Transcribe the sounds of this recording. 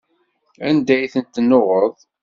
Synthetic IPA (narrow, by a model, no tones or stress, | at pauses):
ænd̪æjθənt̪ːnːoʁəðˤ